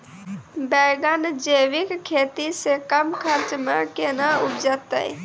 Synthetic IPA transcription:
bɛːɡənd͡ʒəʋɪkkʰːeːt̪isekəmkʰəɾt͡ʃməɾkenəʊpd͡ʒət̪ə̰ḭ

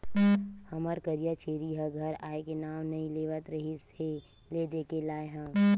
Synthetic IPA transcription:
hɐməɾkɐɾijat͡ʃeːɾiɦəɡʱɐɾaːekenaːmnɐĩleːʋət̪ɾɐɦise | leːd̪eːkelaːeɦɛ̃ː

